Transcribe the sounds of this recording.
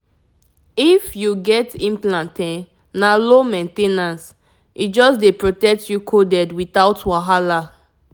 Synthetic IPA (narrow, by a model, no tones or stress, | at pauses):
ifjuɡɛtĩmplãntẽ | nalomẽntenãns | ʔit̚d͡ʒɔsdepɹotɛk̚tʰjukʰodɛdwitaʊtwaɦala